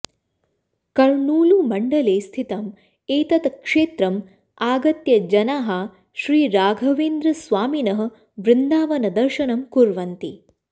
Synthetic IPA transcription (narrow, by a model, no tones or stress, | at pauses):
kɐɾɳuːlumɐɳɖɐleːst̪ʰit̪ɐm | eːt̪ɐt̪kʂeːt̪ɾɐm | aːɡɐt̪jɐd͡ʒɐnaːɦɐ | ʃɾiːɾaːɡʱɐʋeːnd̪ɾɐsʋaːminɐɦɐ̆ | ʋɾɪnd̪aːʋɐnɐd̪ɐɾʃɐnɐmkuɾʋɐnt̪i